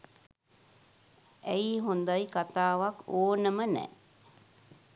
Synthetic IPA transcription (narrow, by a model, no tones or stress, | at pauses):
æjɦund̪ajkat̪aːʋakoːnəmənɛ̰